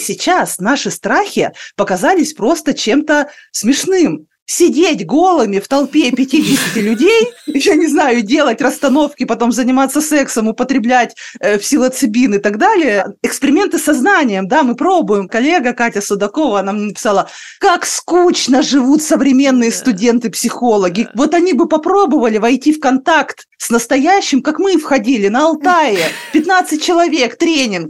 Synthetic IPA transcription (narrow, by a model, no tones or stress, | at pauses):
sʲɪt͡ɕasnaʂɨst̪ɾaxʲɪpəkɐzalʲɪsʲpɾo̞st̪ət͡ɕe̞mt̪əsmʲɪʂnɨm | sʲɪdʲetʲɡo̞lˠəmʲɪft̪ɐlˠpʲepʲɪtʲidʲɪsʲɪtʲɪlʲʉdʲejjanʲɪznajʊdʲe̞lˠətʲrəst̪ɐno̞fkʲɪpɐt̪o̞mzənʲɪmat̪sːəsɛksəmʊpət̪ɾʲɪblʲætʲəpʲsʲɪlˠət̪sɨbʲinɨt̪ɐɡd̪alʲɪjəɪkspʲɪɾʲɪmʲe̞nt̪ɨsɐznanʲɪjəmd̪amɨpɾo̞bʊjɪmkɐlʲːe̞ɡəkatʲəsʊd̪ɐko̞vəɐnamɲʲenəpʲɪ̥salˠɐ | kakskut͡ɕnəʐɨvut̪səvɾʲɪmʲe̞nːɨjəst̪ʊdʲe̞nt̪ɨpsʲɪxo̞lˠəɡʲɪvo̞t̪ɐnʲibɨpɐpɾo̞bɨvəlʲɪvɐjtʲifkɐnt̪akt̪ | snəst̪ɐjæɕːɪmkakmɨfxɐdʲilʲɪnəɐlˠt̪aɪpʲɪt̪nat̪sɨt̚ʲt͡ɕɪlˠɐvʲe̞kt̪ɾʲenʲɪnk